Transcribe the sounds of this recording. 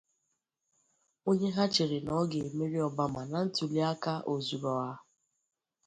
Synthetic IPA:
o˦ɲe˦ɦa˦t͡ʃɪ˨ɾɪ˨nɔ˨˦ɡe˨e˨me˦ɾi˦ɔ˨ba˦ma˨na˨n̩˦tu˨li˦a˦ka˦ʔo˨zu˨ɾɔ˨a˦

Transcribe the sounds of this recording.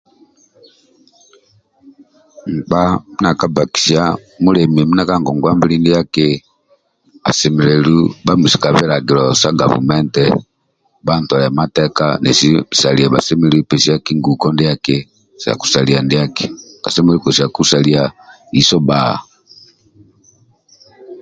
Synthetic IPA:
ŋ̩˨k͡pa˦mi˦na˨ka˦ba˨ki̥˨sa˦mu˦lɛ˨mi˨mi˦na˨ka˦ŋɡɔ˨ŋɡwa˦mbi˦li˦ndi˦ja˦ke˦ | a̰˨sɛ˨mɛ˨lɛ˨lu˦ba˦mu˨si̥˨ka˨βɛ˦ɾa˨ɡi˨lɔ˨sa˦ɡa̰˨vṵ˨mɛ˦ntɛ̰˨ | ba˦n˨tɔ˨lɛ˨a˨ma˦tɛ˦ka̰˦nɛ˨si˦˨sa˨li˨a˨ba˨sɛ˦mɛ˨lɛ˨˦u˦pɛ˨si˦a˦ki˦ŋɡu˨kɔ˦ndja˦ke˦ | sa̰˨ku̥˨sa˨li˨a˨ndi˦a˦ke̥˨ka˨sɛ˦mɛ˦lu˦kɔ˨si˨a˨ku˦sa˨li˨a˨ | i˨sɔ˦ba̰˦˨

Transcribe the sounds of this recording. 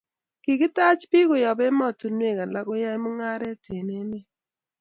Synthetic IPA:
kɪ˨kɪ˦ta˦t͡ʃpɪ˦kʊ˨jɔ˨bɛ˦mɔ˦˨to˨nwe˦˨ka˨la˦kʊ˦ja˦jmo˦ŋa˦ɾɛ˦te˨ne˦me˦

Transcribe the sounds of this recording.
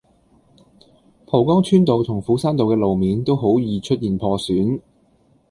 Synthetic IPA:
pʰɔː˨˩wkɔː˥ŋt͡ʃʰyː˥nt̪o˨wt̪ʰʊ˨˩ŋfuː˨˥saː˥nt̪o˨wkɛː˧lo˨wmiː˨˧nt̪o˥wɦo˨˥wjiː˨˧t͡ʃʰɵ˥t̚jiː˨npʰɔː˧syː˨˥n

